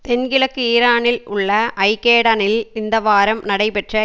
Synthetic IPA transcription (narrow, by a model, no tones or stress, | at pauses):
t̪ɛnɡɪlɐkːɯiːɾaːnɪlʊɭːɐʔɐɪkːeːɽanɪlɪnd̪ɐʋaːɾɐmnɐɽɐɪpɛʈrɐ